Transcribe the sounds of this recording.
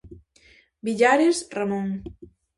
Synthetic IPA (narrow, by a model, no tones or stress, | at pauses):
biʎaɾesramõŋ